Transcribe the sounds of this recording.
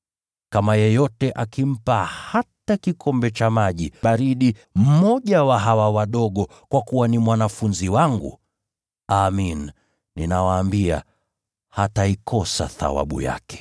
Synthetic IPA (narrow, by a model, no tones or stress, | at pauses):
kamajɛjɔtɛʔakim̩pahatakikʰɔmbɛt͡ʃamaʄiaɾiɗim̩mɔʄawaɦawawaɗɔɠɔ | kwakuwanimwanafunziwaŋɡṵ | amin | ninawaːmbia̰ | hataikʰɔsa̰θa̰wa̰ɓṵja̰kɛ̥